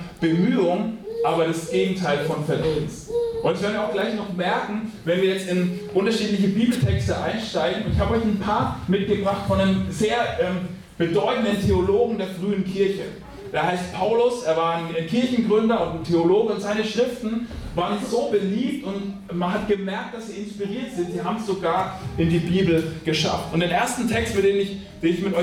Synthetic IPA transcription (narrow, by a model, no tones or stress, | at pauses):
b̥əmyːʊŋʔaːbɐɾasɡ̥eːɡŋ̩tʰaɪlfɔnfɛɐdiːnsʔʊntɪç̥ɛɐdnviɐaʊxɡ̥laɪçnɔχmɛɐkŋ̩vɛnviːɐjɛt͡stɪnʔʊntɐʃiːtlɪçəbiːbl̩tʰɛkstəʔa̰ɪnʃtaɪɡŋ̩ʊntɪçhaːbəɔʏçn̩pʰaːɐmɪtɡ̥əbʁaχtfɔnemzeːɐʔɛːm | b̥ədɔʏtn̩dəntʰeoloːɡŋ̩deːɐfʁ̥yːənkʰɪɐçə | ʔeːɐhaɪstpʰaʊlʊsʔeːɐvaːɐnenkʰɪɐçn̩ɡʁʏndɐʊntntʰeoloːɡəʊntz̥aɪnəʃʁ̥ɪftn̩vaːʁənz̥oːbəliːp̚tʊnt | manɦatɡ̥əmɛɐk̚t̚d̥asziːɪnspiʁiːɐtz̥ɪntz̥iːɦaːbmsz̥oɡaːɐʔɪndiːbiːbl̩ɡ̥əʃa̰ftʊntd̥eːnʔeːɐstn̩tʰɛkstmɪt̚d̥eːnɪç | d̥eːnɪçmɪtʔɔ